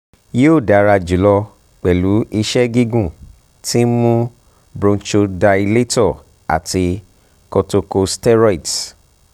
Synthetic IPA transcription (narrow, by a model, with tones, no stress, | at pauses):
je˦o˦˨da˨˦ɾa˧d͡ʒu˨˦lɔ˧ | k͡pɛ˨lu˨˦ʔi˧ʃɛ˦ɡi˦ɡũ˦˨ | ti˦mũ˦ | bɾũ˧nt͡ʃo˧da˧i˧le˦tɔ˦˨ | a̰˨ti˧ | kɔ˧to˧ko˧stɛ˦ɾɔ˦˨i˨t